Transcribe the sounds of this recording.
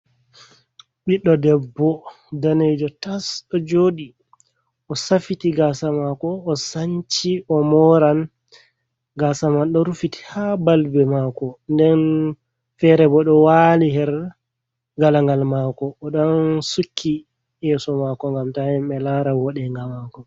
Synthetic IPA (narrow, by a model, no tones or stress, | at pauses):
ɓiɗːɔdɛbːɔ | danejd͡ʒɔtasɗɔd͡ʒoːɗi | ʔɔsafitiɡasamakɔːsaɲt͡ʃiʔɔmɔɾan | ɡasamanɗɔɾufiti̥habalbɛmakɔndɛn | fɛɾɛbɔɗɔwaliɦɛɾ | ɡalaŋɡalmakɔːɗɔnsukʰːi | jɛsɔmakɔŋɡamtahimɓɛlaɾawɔɗɛŋɡamakɔ